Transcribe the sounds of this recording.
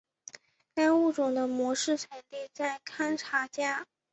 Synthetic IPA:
ka˥ɪu˥˩ʈ͡ʂʊ˨˩ŋd̪ə˦mwɔ˧˥ʂɻ̩˥˩ʈ͡ʂʰa˨˧˩nt̪i˥˧t͡sa˥˩ɪkʰa˥nʈ͡ʂʰa˧˥t͡ɕja˥

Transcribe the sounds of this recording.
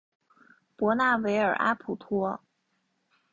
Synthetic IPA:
pwɔ˧˥na˥˩we˧˥ɪə˞˨˩ʔa̰˥pʰu˨˩t̪ʰwɔ˥

